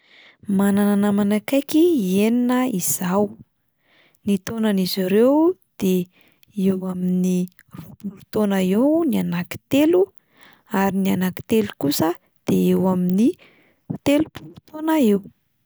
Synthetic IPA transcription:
manananəmanakajkieninəiz̥aw | nit̪onaniziɾewd̪̥e | ewamini | rupulut̪onəewnianaki̥t̪elu | aɾinianaki̥t̪elukusə | d̪̥eewamini | t̪elupulut̪onəew

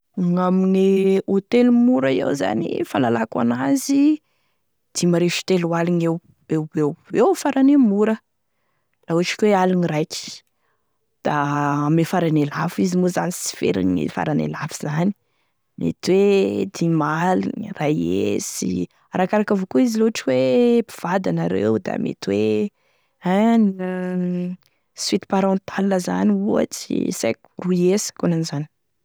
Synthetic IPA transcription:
ŋaminiot̪elimuɾaiḛwza̰nḭfalalakwa̰nazi | d̪̥imaɾeʃi̥t̪eluwalinew | ewewewfaɾanemuɾə | lauʈ͡ʂi̥kʲwealinirajt͡ʃi̥ | d̪̥amefaɾanelafizimuzanisi̥fḛɾḭnḭfa̰ɾanḛlafi̥z̥ani̥ | mḛt̪wed̪imalirajesi | aɾakaɾakavokuiziloaʈ͡ʂiwepi̥v̥ad̪anaɾeud̪a̰mḛt̪we | an | swit̪i̥paɾɑ̃nt̪ʰalnəza̰niua̰t͡sḭsḛku̥ruesə̥kunanizani̥

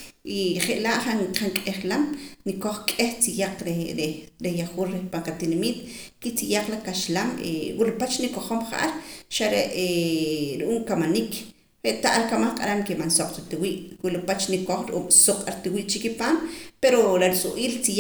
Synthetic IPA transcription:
ʔiχeʔlaʔχaŋqaŋkʼeχlamnikoχkʼeht͡sijaq͡χɾeɾeɾejaχuːlɾehpaɴqat̪inamit̪ | kit͡sijaq͡χlakaʃlamḛwilupat͡ʃnikoχomχa̰ʔa̰ɾʃaɾeʔeɾʔuːmkamanik | ɾeʔt̪aʔalkamaχqʼa̰ɾamkemansoqʼɾat̪iwiːʔwilupat͡ʃnikoχɾʔṵːmsoqʼaɾt̪iwiːʔt͡ʃikipaːmpeɾolaɾisʼuʔiːlt͡si

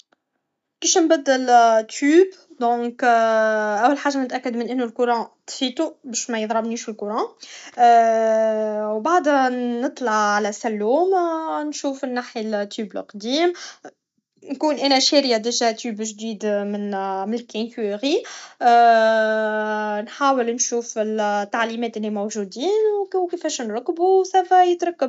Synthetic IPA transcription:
biʃnbæd̪ːəlt̪yːb | d̪ɔ̃k | ʔæwːəlħaːʒanət̪ʔækːəd̪mənʔɪnːulkʊɾɑ̃t̪fit̪ubæʃmæjəðˤɾˤɑbniːʃɪlkʊɾɑ̃ | wbaʕd̪nət̪ˤlɑʕʕalæsælːuːmnʃuːfənːaːħjalt̪ːyːblqd̪iːm | nkuːnʔænæʃɛɾjad̪əʒæt̪yːbʒd̪iːd̪mɪnmnɪlkænkːʁi | nħaːwəlnʃuːfɪlt̪ːaʕlimɛːt̪ʔɪlːimowʒuːd̪iːnwkkifɛːʃnɾˤɑkːbusæfæjət̪ɾˤɑkːəb

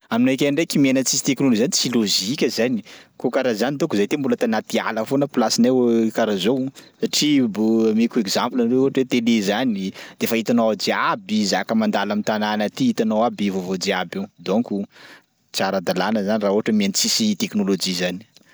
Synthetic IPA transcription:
aminakʲaɳɖ͡ʐekimenət͡sisi̥t̪eknolod͡ʒizant͡siloziikʲəzanikokaɾazanit̪okuzajt̪embulət̪anat̪ia̰ləfonəpilasinewkaɾazowsaʈ͡ʂibumikuekzamplanɾeuɦaʈ͡ʂwet̪elezanid̪̥efait̪anoad͡ʒiabizakəmand̪alamint̪ananat̪iit̪anowabivovod͡ʒiabewd̪oŋku | t͡saɾəd̪alanəzanirauɦaʈ͡ʂəmient͡sisit̪eknolod͡ʒizani̥

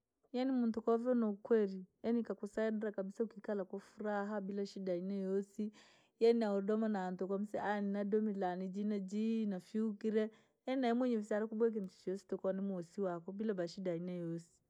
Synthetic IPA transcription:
janimuntukɔvɔnɔukwɛɾiɛnikakusaɛdɾakabisaukikalakwafuɾaɦabilaʃidainɛjɔsi | jɛniaɔdɔmanaːntɔkwam̩sɛaninadɔmilanid͡ʒinad͡ʒinafiukiɾɛ | ɛnaɛmwɛɲɛvisaɾakubwɛk̬ɛm̩t͡ʃi̥t͡ʃiɔsi̥tɔkɔanɛmuɔsiwakɔbilabaʃidainɛjɔsi̥

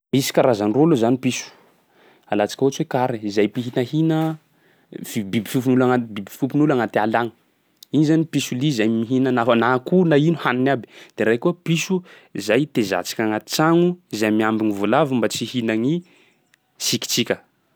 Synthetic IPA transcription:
misi̥kaɾazanrolozanipisu̥ | alat͡si̥kʲəut͡ʃwekaɾiizajpiɦinəhinə | ibibifup̬unulaŋbibifupunulaŋat̪alaŋə̥ | inizanipisulizajmiɦinənafənakunainuhaninabi̥d̪̥eɾajkuapisu | izajt̪eza̰t͡si̥kʲaŋat͡saŋuizajmiambiŋivulavimbat͡sihinaŋi | siki̥t͡sikʲə

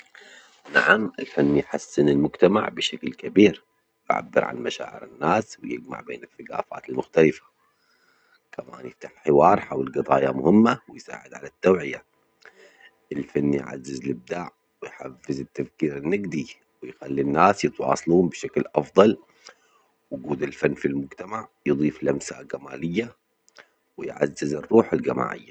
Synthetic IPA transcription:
naʕamʔɪlfanːijħasːɪnɪlmʊɡt̪ama̰ʕbɪʃaklkabiːɾ | ʔa̰ʕa̰bːɪɾʕa̰nmaʃa̰ːʕɪ̰ɾɪ̰nːaːswjɪd͡ʒma̰ʕbeːnɪθaɡa̰ːfa̰ːt̪ɪlmʊxt̪alɪfḁ | kʰama̰ːnjɪft̪aħħɪwɑːɾˤħawɪlɡɨt̪ˤɑːjamʊhɪmːawɪjsa̰ːʕɪd̪ʕa̰lat̪ːawʕɪja | ʔɪlfanːjʕa̰zːɪzlɪb̚d̪aːʕ | wɪjħafːɪzɪt̪ːafkiːɾɪnːɪɡd̪i | wɪjxalːinːaːsjɨt̪wɑ̰ːsˤluːmbɪʃaklʔɑfðˤɑl | wɡuːd̪ɪlfanːfilmʊɡt̪amaʕjɨðˤiːflʔamsa̰ɡamaːlɪjːa | wɪjʕa̰zːɪzɨrˤːuːħalɡama̰ːʕɪ̰jːa

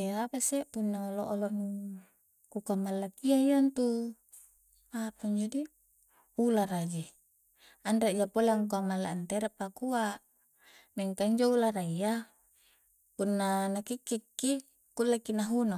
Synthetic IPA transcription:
eapasepunːaoloʔoloʔn | kukamːalːakiaiant̪u | apuɲd͡ʒadi | ulaɾad͡ʒi | andad͡ʒapoleŋkuamalːaant̪eɾapːakuaʔ | meŋkaɲd͡ʒoulaɾaija | punːanakikːikːi | kulːakːinaɦuno

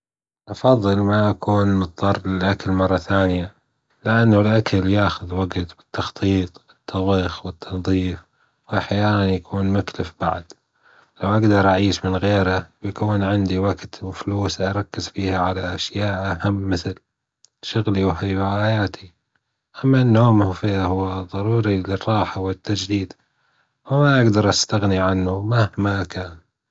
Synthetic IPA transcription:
ʔɑfɑðˤːɨlmaʔakʰuːnmɨt̪ˤt̪ˤɑːɾˤlɪlʔakalmɑrˤːɑθaːnɪja | lɪʔanːalʔakʰaljaːxʊðwaɡt̪bɪ̥t̪ːɑxt̪ˤiːt̪ˤwɪt̪ʰːɑðˤiːxwɪt̪ʰːɑnðˤiːf | wɪħajaːlanjakʰuːnmʊklɪfba̰ʕd̪̥ | lawʔaɡd̪ɑɾˤʔaʕiːʃmɪnɣeːɾawjakuːnʕɪnd̪iwaɡt̪wɪfluːsʔaɾˤɑkːɪzfiːhaʕalaʔaʃjaːʔahamːɪθɪl | ʃʊɣliwɦajwahajaːt̪ʰi | ʔamːanːoːmhfiahʊwːaðˤɑɾˤuːɾilɪrˤːɑːħawɪt̪ːad͡ʒd̪iːd̪ | wɪmaʔaɡd̪ɑɾˤʔast̪aɣniʕanːumahmakaːn

